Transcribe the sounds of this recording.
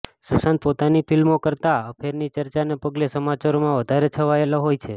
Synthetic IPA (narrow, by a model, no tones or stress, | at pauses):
susãnt̪̚pot̪anipʰilmokəɾt̪aəpʰeɾnit͡ʃəɾt͡ʃanepəɡlesəmat͡ʃaɾomãʋəd̪ʱaɾet͡ʃʰəʋaeloɦojt͡ʃʰe